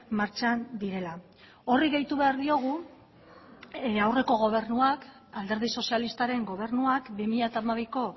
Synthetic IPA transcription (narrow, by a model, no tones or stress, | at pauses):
maɾt͡ʃand̪iɾe̞la | o̞riɣejt̪uβe̞aɾðio̞ɣ̞u | awre̞ko̞ɣ̞o̞β̞e̞ɾnuak | ald̪e̞ɾð̞iso̞sialist̪aɾe̞ŋɡo̞β̞e̞ɾnuakbimiʎat̪aːmaβ̞iko̞